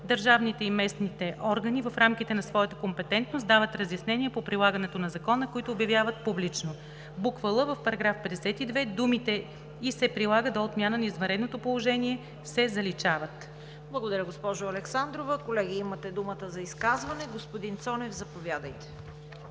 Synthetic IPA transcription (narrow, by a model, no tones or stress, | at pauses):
d̪əɾʒavnit̪ɛimɛsnit̪ɛʔɔɾɡənivɐfɾamk̟it̪ɛnɐsvɔjət̪əkompɛt̪ɛnt̪nost̪d̪avət̪ɾɐzjɐsnɛnʲiɛpopɾilˠaɡənɛt̪onɐzɐkɔnəkoit̪ʊːbjɐvjavət̪̚publit͡ʃno | bukvəlˠəvəfpɐɾɐɡɾafpɛd̪ɛsɛt̪id̪vɛd̪umit̪ɛ | isɛpɾilˠaɡəd̪oot̪mʲjanənɐizvɐnɾɛd̪not̪opolˠoʒɛniɛ | sɛzɐlit͡ʃavət̪ | blˠɐɡod̪ɐɾʲəɡospɔʒʊɐlɛksand̪ɾovəkolɛɡʲiimɐt̪ɛd̪umət̪əzɐiskazvɐnɛɡospod̪int̪sɔnɛvzɐpovʲjad̪əjt̪ɛ̥